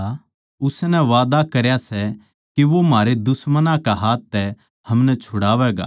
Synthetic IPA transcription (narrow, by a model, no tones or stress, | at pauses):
ʊsnɛʋaːd̪akɐɾjasɛ | kiʋomaːɾed̪ʊsmənãkaɦaːt̪ːɛ | hɐmnɛt͡ʃʰʊɽaːʋɛːɡa̰ː